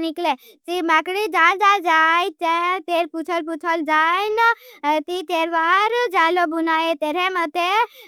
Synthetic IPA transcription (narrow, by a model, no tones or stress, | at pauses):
nikle | t͡ʃimaːkɽid͡ʒaːld͡ʒald͡ʒaːit͡ʃet̪eːɾput͡ʃʰəlput͡ʃʰəld͡ʒajnt̪it̪eːɾʋaːɾd͡ʒaːlobunaːet̪eɾemət̪e